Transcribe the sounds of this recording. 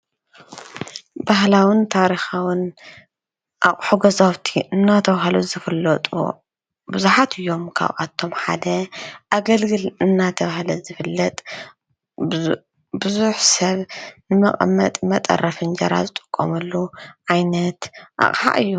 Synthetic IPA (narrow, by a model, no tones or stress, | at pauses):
bahlawɨnt̪ʰaɾixawɨn | ʔakʼħuɡɐzawt̪ʰiʔɨnːat̪ʰɐβahluzɨfɨlːɐt̪ʼṵ | bɨzuħat̪ʰɨjːo̞mkʰa̰βʔa̰t̪ʰːo̞mħa̰d̪ɐʔaɡɐlɡɨlɨnːat̪ʰɐβahlɐzɨfɨlːɐt̪ʼ | bɨzuħsɐβnɨmɐχʼmːɐ̰t̪ʼmɐt̪ʼɐ̰rɐfɨnd͡ʒɐɾa̰zɨt̪ʼɨ̥kʼːo̰mɐlːuʕajnɐt̪ʔa̰χʼħa̰ʔɨjːu